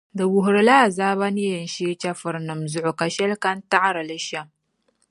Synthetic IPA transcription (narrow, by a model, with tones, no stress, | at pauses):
da˨wʊ˨ɦɾɨ˦la˦˨zaː˦βa˦ni˦jɐ˨nʃeː˦t͡ʃɐ˦fɨ˨ɾnɨ˨mzʊ˦ʔo˨ka˨ʃɛ˦lkɐ˦nta˦ʔa˦ɾa˨lɪ˦ʃa˦m